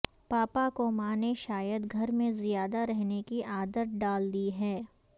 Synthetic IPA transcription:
paːpakomaneʃaːjəd̪ɡʱɐɾmẽzijaːd̪aɾɛɦnekiʔaːd̪ət̪̚ɖaːld̪iɦɛː

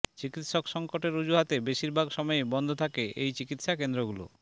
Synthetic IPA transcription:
t͡ɕikit̪ʃokʃɔŋkoʈeɾud͡ʑuɦat̪ebeʃiɾbʱaɡʃɔmɔebɔnd̪ʱot̪ʰakeʔejt͡ɕikit̪ʃakend̪ɾoɡulo̰

